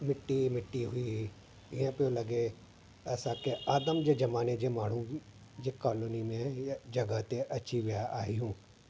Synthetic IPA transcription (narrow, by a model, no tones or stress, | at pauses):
mɪʈːimɪʈːiɦʊi | ɪɦãpjõlɐɡe | ɛːsakeaːd̪əmd͡ʒed͡ʒɐmaːned͡ʒemaːɽ̤ũ | d͡ʒekaːloːnimẽjd͡ʒɐɡət̪eʔɐtːʃʰiʋɪjaʔaːiɦũː